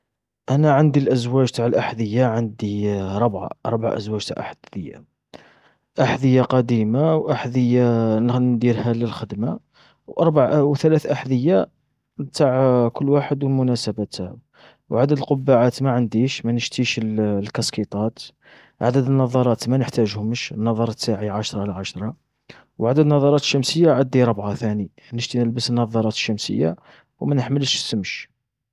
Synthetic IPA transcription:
ʔænæʕənd̪ilʔəzwæʒt̪aʕəlʔaħd̪əjːaʕənd̪iɾˤəbʕa̰ʔɾˤbʕa̰ʔə̰zwæʒt̪a̰ʕʔa̰ħd̪d̪əjːa̰ | ʔaħd̪əjːaqɑd̪imawʔaħd̪əjːannd̪iɾhæləlxəd̪ma | wʔɑɾˤbʕwt̪ælæθʔaħd̪əjːa | bt̪aʕkʊlːwaħəd̪wəlmʊnæsəbæt̪æ | wʕad̪əd̪əlqʊbːaʕat̪maʕənd̪iʃmænəʃt̪iʃəllkɑskit̪ˤɑt̪ | ʕa̰d̪əd̪ənːɑðˤɑɾˤɑt̪mænəħt̪æʒhʊməʃənːɑðˤɑɾˤt̪ːaʕiʕaʃɾˤɑlʕaʃɾˤɑ | wʕad̪əd̪nːɑðˤɑɾˤɑt̪ə̥ʃːæmsəjːaʕad̪ːiɾˤəbʕaθæni | nəʒt̪inəlbəsənːɑðˤɑɾˤɑt̪ə̥ʃːæmsə̰jːa̰ | wmænəħməlʃsəmʃ

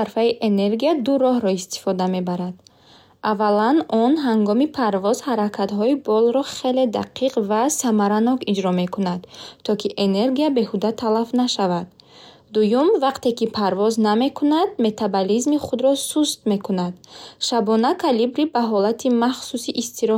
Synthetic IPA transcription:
aɾfaiʔene̞ɾɡijad̪uɾɔɦɾɔist̪i̥fɔd̪ame̞baɾad̪̥ | ʔavalanʔɔnɦaŋɡɔmipʰaɾvɔz̥haɾakʰat̪ɦɔibɔlɾɔχe̞le̞d̪a̰qʰiqvasamaɾanɔkid͡ʒɾɔme̞kunad̪̥t̪ʰːɔkʰiʔene̞ɾɡijabe̞hud̪at̪ʰalafnaʃavad̪ː | ujumvaqt̪e̞kipʰaɾvɔzname̞kʰunad̪me̞t̪ʰabalizmiχud̪ɾɔsust̪me̞kunad̪ʃabɔnakʰalibɾibaɦɔlat̪ʰimaχsusiʔist̪ʰiɾɔ

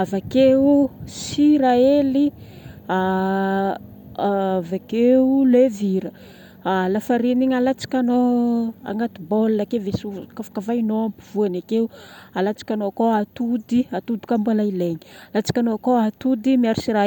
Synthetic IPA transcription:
avakeusiɾaelia | aavakeuleviɾə | lafaɾiniɲalat͡si̥kʲanoa̰ŋɡat̪ibolːakevesukafḁkavainoampiv̥uanakeualat͡si̥kʲanoakoat̪ud̪iat̪ud̪i̥kambualaileɲi̥alat͡si̥kʲanoakoat̪ud̪imiaɾusiɾa

